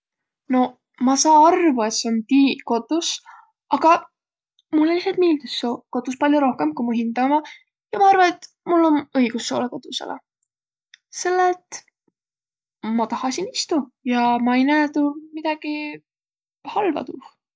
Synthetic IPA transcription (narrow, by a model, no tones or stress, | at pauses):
no̞ | mɑsɑːɑrvue̞t̪seont̪iːko̞t̪us | ʔɑɡ̥ɑ | mulːliset̪̚miːld̪ussoko̞t̪uspɑlʲjuɾo̞hke̞mkumuɦind̪ɑmɑ | jɑmɑɑrvɑne̞t̪ | mulːo̞nɤiɡ̥usːo̞̰ːleko̞t̪usḛlʔḛ | se̞lːelt̪ | mɑt̪ɑhɑsinist̪ujɑmɑejnæːt̪umid̪̥ɑɡ̥i | hɑlvɑ̰t̪uh